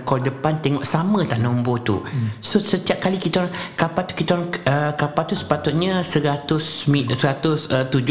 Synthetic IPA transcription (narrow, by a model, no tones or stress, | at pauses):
kɔldəpant̪ɛŋɔʔsamə̃t̪aʔnombot̪ṵsosət̪iap̚kalikit̪aɾkapat̪u̥kit̪aɾaŋəkapat̪usə̥pat̪ʊt̪̚ɲãsəɾat̪ʊsmisəɾat̪ʊsət̪ud͡ʒ